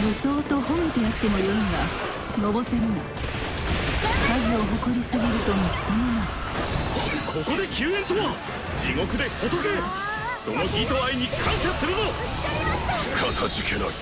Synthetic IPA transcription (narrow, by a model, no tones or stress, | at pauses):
joso̞ːt̪o̞hõmt̪eat̪ːe̞mo̞joɯŋɡa | no̞bo̞seɾɯna | kazɨo̞ɦo̞ko̞ɾʲisɨɡʲiɾɯ̟t̪o̞mot̪ːomona | kʰo̞ko̞d̪e̞kʲɨːẽ̞nt̪oβa | d͡ʑiŋo̞kɯ̟d̪e̞kot̪oke | so̞no̞ɡʲit̪o̞aiɲ̟ikʰãɰ̃ɕasɨɾɯno | kʰat̪ʰat͡ɕikʲʰena̰